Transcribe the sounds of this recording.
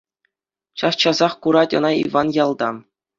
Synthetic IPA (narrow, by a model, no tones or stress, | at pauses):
ɕɑst͡ɕɑzɑχkuɾɑtʲɤ̰̆nɑḭʋɑnjɑlˠd̪ɑ̰